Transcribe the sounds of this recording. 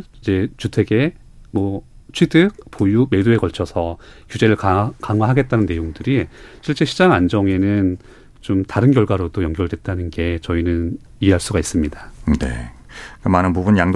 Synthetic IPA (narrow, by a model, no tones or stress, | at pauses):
id͡ʑe̞t͡ɕutʰe̞ɡe̞ | mwʌ | t͡ɕʰidɯk̚pojume̞doe̞kʌɭt͡ɕʰʌsʰʌkjud͡ʑe̞ɾɯɭkakaŋɦwaɦaɡe̞t̚t͈anɯnːe̞joŋdɯɾiɕʰiɭt͡ɕ͈e̞ɕʰid͡ʑaŋand͡ʑʌŋe̞nɯn | t͡ɕomtaɾɯnkjʌɭɡwaɾodojʌŋɡjʌɭdwe̞t̚t͈anɯnɡe̞t͡ɕʌinɯn | ieɦaɭs͈uɡais͈ɯmɲidanḛ | kamanɯnpubunjaŋd